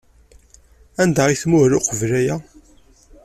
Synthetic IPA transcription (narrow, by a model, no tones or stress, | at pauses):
ænd̪æʁiθmʊɾʊqəvlæjæ